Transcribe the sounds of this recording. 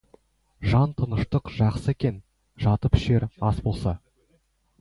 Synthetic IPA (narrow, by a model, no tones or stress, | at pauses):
ʒɑnt̪ʰənəʃt̪əqʒ̥ɑqsəekʲe̞n | ʒɑt̪əpʏ̥ʃe̞ɾɑsbolˠsɑ